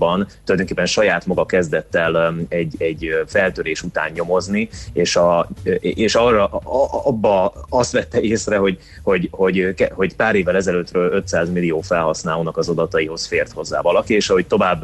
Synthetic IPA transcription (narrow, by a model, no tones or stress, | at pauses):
bɒnt̪ulɒjd̪o̞ŋkeːpːɛnʃɒjaːt̪mɒɡɒkɛzd̪ɛt̪ːɛlɛɟːɛɟːfɛlt̪øːɾeːʃut̪a̰ːnɲo̞mo̞znieːʃɒ | eːʃɒrɒʔɒbːɒɒst̪ʋɛt̪ːɛeːsrɛɦo̞ɟ | ho̞ɟho̞ɟkɛho̞ɟpaːɾeːvːɛlɛzɛløːt̪røːlø̞t̪saːzmilːijoːfɛlɦɒsnaːloːnɒkɒzɒd̪ɒt̪ɒiɦo̞sfeːrt̪ho̞zːa̰ːvɒlɒkieːʃɒɦo̞c̚t̪o̞vaːbː